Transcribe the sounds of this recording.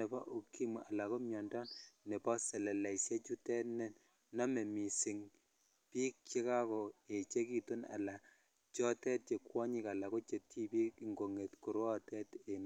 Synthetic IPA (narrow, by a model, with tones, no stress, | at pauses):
nɛ˨pɔ˦ʔu˨ki˦mu˨a˨la˨ko˦mjɔ˨ndɔ˦nne˨pɔ˦sɛ˨lɛ˨la˨i˨sje˦t͡ʃu˦tɛ˦nɛ˦n | nɔ˦me˨mi˨si˨ŋ | piː˦k̚t͡ʃe˦ka˦kɔ˨e˨t͡ʃe˦ki˦to˦na̰˨la˨ | t͡ʃɔ˦tɛ˦t̚t͡ʃe˨kwɔ˦ɲi˦ka˨la˨ko˦t͡ʃe˨tʰi˦pi˦ki˨ŋɡo˨ŋe˨tku˨ɾwɔ˦tɛ˦te˨n˦